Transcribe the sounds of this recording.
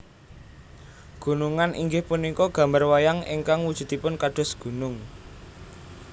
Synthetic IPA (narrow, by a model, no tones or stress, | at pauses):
ɡ̥ṳnuŋanʔḭŋɡɪhpunikɔɡ̥ä̤mbarwajaŋiŋkaŋwud̥ʒ̥ṳt̪ipʊnkaɖ̥ɔ̤sɡ̥ṳnʊŋ